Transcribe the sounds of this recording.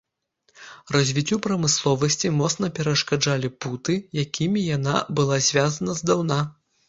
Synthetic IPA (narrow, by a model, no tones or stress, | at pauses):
rɐzʲvʲit͡sʲːupɾɐmɨslˠɔvɐsʲt͡sʲimɔt̪snɐpʲɛɾɐʂkad͡ʐalʲiput̪ɨjakʲimʲijana̰bɨlˠazʲvʲazɐnɐzd̪awna